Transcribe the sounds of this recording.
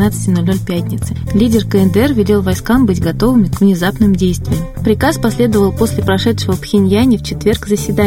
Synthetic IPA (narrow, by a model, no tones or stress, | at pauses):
at̪sɨ̥tʲɪno̞lʲnolʲpʲætʲnʲɪt̪sɨlʲidʲɪrkəɛnd̪əɛrvʲɪlʲe̞lˠvɐjskambɨtʲɡɐt̪o̞vɨmʲɪkvnʲɪzapnɨmdʲejst̪vʲɪjəmpɾʲɪkaspɐsʲlʲe̞d̪əvəlˠpo̞sʲlʲɪpɾɐʂɛt̪ʂɨvəpxʲɪnʲjænʲɪft͡ɕɪt̪vʲe̞rkzəsʲvʲɪd̪a